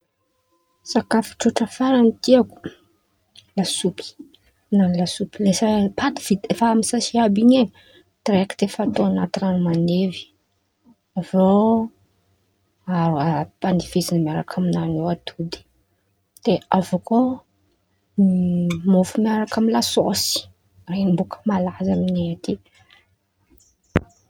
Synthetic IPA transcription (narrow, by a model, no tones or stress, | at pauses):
sakafi̥ʈ͡ʂuʈ͡ʂəfaɾanit̪iaku̥ | lasupi̥ | nanlasupilesapat̪i̥v̥id̪efaamisasiabiɲe | t̪ɾekt̪efat̪oanat̪inanumanevi̥ | avo | aɾuapanifezinmiaɾa̰kʰaminanoat̪ʰud̪i̥ | d̪̥eavuko | mofumiaɾakʰamilasosi̥ | renimbukʰə̥malazamineat̪i